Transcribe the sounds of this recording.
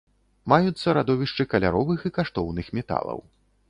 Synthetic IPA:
majut̪sːɐɾad̪ɔvʲiʂt͡ʂɨkɐlʲa̰ɾɔvɨxikaʂt̪ɔwnɨxmʲɛt̪a̰lˠɐ̰w

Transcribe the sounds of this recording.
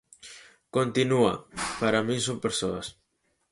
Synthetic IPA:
kont̪inua̰paɾamĩnsõmpeɾsoas

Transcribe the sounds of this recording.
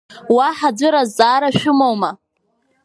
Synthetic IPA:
waħad͡zʷʊɾazaːɾaʃᶣʊmowma

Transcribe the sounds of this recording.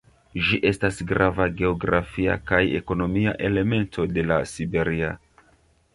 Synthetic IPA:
ʒiʔe̞stasɡɾʔavaɡe̞o̞ɡɾafia̰kaje̞̰ko̞no̞mia̰ʔe̞le̞me̞ntʰo̞de̞lasibe̞ɾia

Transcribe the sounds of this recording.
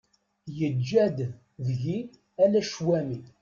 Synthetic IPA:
jəd͡ʒːæd̪ | ðʝi | ælæʃwæmi

